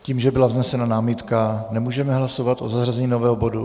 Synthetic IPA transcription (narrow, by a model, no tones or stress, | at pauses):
ciːmʒɛbɪlavznɛsɛnanaːmit̪kanɛmuːʒɛmɛɦlaso̞vat̪ʔozaɦrazɛɲiːno̞vɛːɦobo̞du